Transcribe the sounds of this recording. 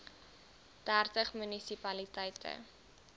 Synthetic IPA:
d̥ærtəχmynisipɐlitɛjtʰə̰

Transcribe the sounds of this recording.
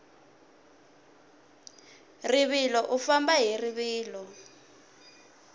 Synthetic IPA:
riβilɔʔufambaɦiriβiːlɔ

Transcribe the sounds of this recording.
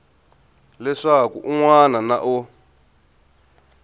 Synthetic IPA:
lɛʂakṵʔuŋwanana̰ʔo

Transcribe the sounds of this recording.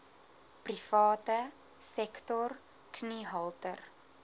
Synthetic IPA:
prifɑːtə | sɛktɔr | kniɦɐlˠtər

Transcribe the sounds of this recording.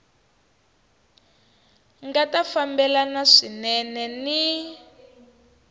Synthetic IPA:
ŋɡatafambɛlanaʂinɛnɛni

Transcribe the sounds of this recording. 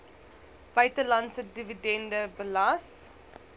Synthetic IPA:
b̥œɥtəlɐntsədividɛndəbəlɐs

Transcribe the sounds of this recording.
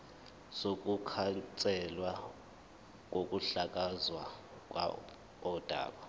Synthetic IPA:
sokʼukʰant͡sʼɛlwa | k̬ʼokʼuɬakʼazwa | kwa̰ | ɔud̥ʱa̰ːɓa

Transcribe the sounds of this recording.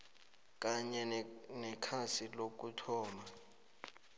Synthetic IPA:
k̬ʼaɲɛnɛkʰasilok̬utʰɔːma

